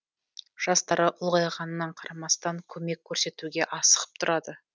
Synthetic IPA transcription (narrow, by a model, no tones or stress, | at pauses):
ʒ̥ɑst̪ɑɾəʔʊlˠʁɑjʁɑnənɑɴqʰɑɾɑmɑst̪ɑŋkʲʰɵme̞kʲʰːɵɾse̞t̪uɡʲe̞ʔɑsə̥ʁə̥p̚t̪ʰʊɾɑd̪ə